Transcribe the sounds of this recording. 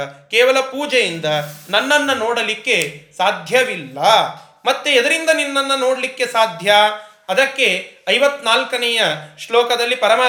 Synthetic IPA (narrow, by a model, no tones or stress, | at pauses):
kɛːʋɐlɐpuːd͡ʒejind̪ɐnɐnːɐnːɐnoːɽɐlikːe̞saːd̪ʱjɐʋilːɐ | mɐt̪ːeɛd̪ɐɾind̪ɐninːɐnːɐnoːɽɐlikːe̞saːd̪ʱja | ɐd̪ɐkːeɐjʋɐt̪ːnaːlkɐnɛjɐʃlɔːkɐd̪ɐlːipɐɾɐmaː